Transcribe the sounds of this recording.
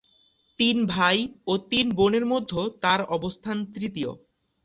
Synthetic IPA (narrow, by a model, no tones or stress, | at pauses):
t̪inbʱajot̪inboneɾmod̪ʱːot̪aɾɔbost̪ʰant̪ɾit̪io̰